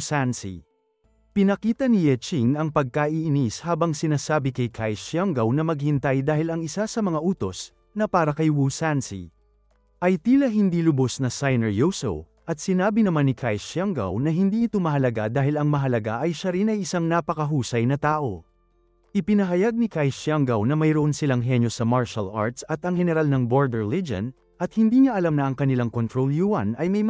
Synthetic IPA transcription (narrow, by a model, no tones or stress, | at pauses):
sansḭ | pɪnɐkiːt̪ɐnɪjɛt͡ʃiŋɐŋpɐɡ̚kaʔiʔɪnishaːbɐŋsɪnaːsaːbikɐjkʰajʃjaŋɡɐwnɐmɐɡ̚hɪnt̪ajd̪aːhɪlɐŋɪsasɐmɐŋaʔuːt̪o̞s | nɐpaːɾɐkɐjwusansḭ | ʔɐjt̪iːlɐɦɪnd̪ilʊbo̞snɐsajnɛɹjowso̰w | ʔɐt̪̚sɪnaːbɪnɐmanːɪkʰajʃaŋɡa̰wnɐɦɪnd̪iːɪt̪o̞mɐɦɐlɐɡad̪aːhɪlɐŋmɐɦɐlɐɡaʔɐjʃɐɾinɐjɪsaŋnaːpɐkɐɦuːsɐjnɐt̪aːʔo̞ | ʔɪpɪnɐɦɐjaɡ̚nɪkajʃaŋɡɐwnɐmɐjɾoʔo̞nsɪlaŋɦɛnjo̞sɐmaɹʃɐlʔa̰ɹt̪sɐt̪ɐŋhɛnɛɾalnɐŋboɹd̪ɛɹlid͡ʒo̰n | ʔɐt̪hɪnd̪iːɲaʔɐlamnɐʔɐŋkɐnɪlaŋkont̪ɾoljuɐnɐjmɐj